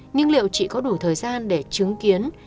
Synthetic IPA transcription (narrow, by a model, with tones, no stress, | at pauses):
ɲɨ˧ŋlḭ˧˨ə˨wt͡ɕḭ˧˨kɔ˨˦ɗu˧˩t̪ʰəː˨˩jzaː˧nɗe˧˩t͡ɕɨ˨˦ŋki˨˦ən